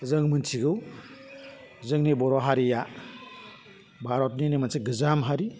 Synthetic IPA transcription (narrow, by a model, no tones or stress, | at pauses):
zɯŋmɯnsʰiɡɯw | zɯŋnibɔɾɔɦaɾija | bʱaɾɔt̚ninimansɯɡɯzamɦaɾi